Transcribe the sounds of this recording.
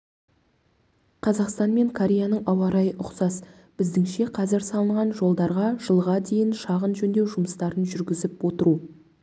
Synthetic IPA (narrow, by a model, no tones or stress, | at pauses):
qʰɑzɑqst̪ɑnme̞ŋkʰoɾʲejanəɴɑwɑɾɑjəʔʊqsɑs | b̥ɪzd̪ɪŋʃe̞qʰɑzɪɾsɑlˠəɴʁɑnʒo̞lˠd̪ɑɾʁɑʒ̥əlˠʁɑd̪e̞jɪnʃɑʁənʒɵnd̪e̞wʒʊməst̪ɑɾənʒʏɾɡʲɪzɪpwo̞t̪əɾu